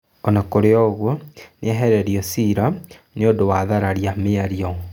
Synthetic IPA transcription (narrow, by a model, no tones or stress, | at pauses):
ɔnakoɾeɔɣwɔneɛɦɛɾɛɾiɔsiɾaneodowaðaɾaɾiameaɾiɔ